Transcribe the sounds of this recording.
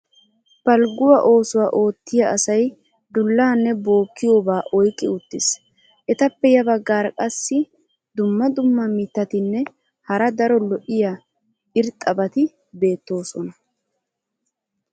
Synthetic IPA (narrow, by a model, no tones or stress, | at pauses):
b̥ɐlɡʊwɐʔo̞ːsʊwaːʔo̞ːt̪ːɪjɐʔɐsɐj | d̪ʊlːaːnːɛbo̞ːkːɪjoːbaːʔɔjkʼːɪʊt̪ːɪs | ʔɛt̪ɐpːɛjɐbɐɡːaːɾkʼɐsːɪ | d̪ʊmːɐd̪ʊmːɐmɪt̪ːɐt̪ɪnːɛ | hɐɾɐd̪ɐɾɔlɔʔɪja | ɪɾt̪ʼːɐbɐt̪ɪ | be̞ːt̪ːo̞ːsɔnɐ